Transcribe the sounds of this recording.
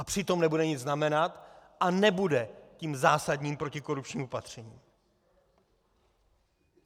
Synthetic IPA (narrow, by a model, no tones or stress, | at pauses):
ʔapr̥ɪt̪o̞mnɛbudɛɲɪd͡zznamɛnat̪ʔanɛbudɛciːmzaːsadɲiːmpɾo̞cɪko̞ɾup̚t͡ʃɲiːmo̞pat̪r̝̥ɛɲiːm